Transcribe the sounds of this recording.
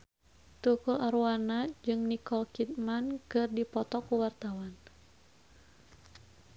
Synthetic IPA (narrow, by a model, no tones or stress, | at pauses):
t̪ukuʔaɾuanad͡ʒɨŋnikɔlkit̪̚mankɨrdipɔt̪ɔkuwart̪awan